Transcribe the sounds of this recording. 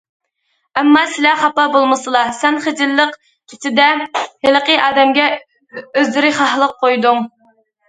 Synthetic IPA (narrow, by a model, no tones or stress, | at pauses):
ɛmːɑsɪlɛχɑpɑbolˠmɨsɨlˠɑsɛnχed͡ʒ̪ɪlːəq | tʲʰɪt̪ɪd̪ɛhɪləqəʔɑːd̪ɛmɡʲɛ | øzlɪɾɪχɑhlˠəqʰːojd̪uŋ